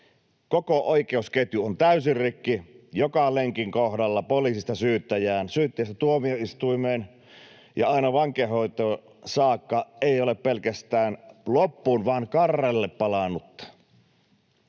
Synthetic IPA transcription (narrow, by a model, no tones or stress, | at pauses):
kokoʔoikeusket̪yont̪æysirrikːijokɑleŋkiŋkohdɑlːɑpoliˑsist̪ɑsyːt̪ːæjæːnsyːt̪ːæjæst̪æt̪uomioist̪uimeːn | jɑɑinɑʋɑŋkehoit̪o | sɑːkːɑeˑioleppelkæst̪æːnlopːuːnʋɑːnkɑrːelːeppɑlɑnːut̪ː